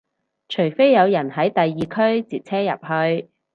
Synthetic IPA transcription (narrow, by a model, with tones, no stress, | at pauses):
t͡ʃʰɵ˨˩ɥfe˥jːɐ˨˧wjɐ˨˩nɦɐ˨˥jt̪ɐ˨jːiː˨kʰɵ˥ɥt͡siː˨t̚t͡sʰɛː˥jɐ̰˨p̚hɵ˧ɥ